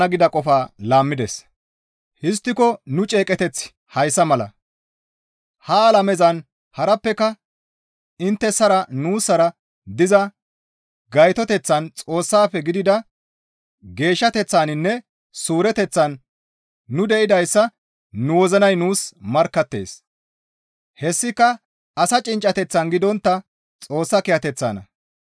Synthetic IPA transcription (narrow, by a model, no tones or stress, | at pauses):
ɐɡɪd̪ɐkʼɔfaːlaːmːɪd̪ɛs | hɪs̬t̪ːɪkɔnʊt͡ʃʼe̞ːkʼɛt̪ɛt͡sː | hɐjsːɐmɐlɐ̰ | hɐːlɐmɛzɐn | hɐɾɐpːɛkɐ | ɪnt̪ːɛsɐɾɐnuːsːɐɾɐ | d̪ɪzɐ | ɡɐjt̪ɔt̪ɛt͡sːɐnt͡sʼo̞ːsːaːfɛɡɪd̪ɪd̪ɐ | ɡe̞ːʃːɐt̪ɛt͡sːaːnɪnːɛ | suːɾɛt̪ɛt͡sːɐnː | ʊd̪ɛʔɪd̪ɐjsːɐ | nʊwɔzɐnɐjnuːsmɐɾkːɐt̪ːe̞̰ːs | hɛsːɪkːɐ | ɐsɐt͡ʃʼɪnt͡ʃʼɐt̪ɛt͡sːɐnɡɪd̪ɔnt̪ːɐ | t͡sʼo̞ːsːɐkɪjɐt̪ɛt͡sːa̰ːnɐ̰